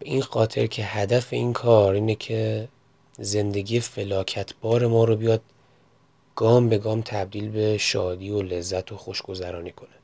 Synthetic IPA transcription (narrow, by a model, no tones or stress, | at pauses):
b̥eʔinxɒːt̪ʰe̞̰ɾcʰe̞hæd̪æfe̞iːnkʰɒːɾiːnecʰe̞ | ze̞nd̪e̞ɡiːjefe̞lɒːcʰæt̪ʰbɒːɾe̞mɒːɾobijɒːd̪̥̚ | ɡ̥ɒːmbe̞ɡɒːmt̪ʰæb̚d̪iːlbe̞ʃɒːd̪iːole̞zːæt̪ʰo̞xoʃɡ̥o̞zæɾɒːniːkʰo̞ne